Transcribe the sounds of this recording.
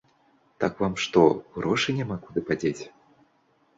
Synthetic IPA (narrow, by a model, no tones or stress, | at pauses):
t̪akvamʂt̪ɔɣɾɔʂɨnʲamakud̪ɨpad͡zʲet͡sʲ